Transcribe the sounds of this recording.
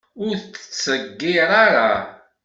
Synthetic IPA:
ʊɾθt͡sːə̥t͡sːəɡːɪɾˤaɾa

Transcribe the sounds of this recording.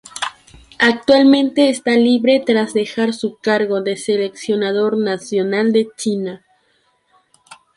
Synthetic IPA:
ak̚t̪walmẽ̞nt̪e̞ːst̪aliβɾe̞t̪ɾazðe̞xaɾsukaɾɣo̞ðe̞se̞le̞ksjo̞nað̞o̞ɾnasjo̞nald̪e̞t͡ʃina

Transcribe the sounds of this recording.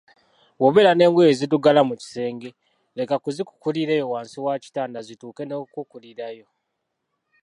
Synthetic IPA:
wo̞βe̞ɾane̞ːŋɡweezituɡalamuci̥se̞ːŋɡe̞ | le̞kakuziku̥kuliɾeːjo̞waːnsiwaːci̥taːndazituːke̞nokukuliɾajo̞

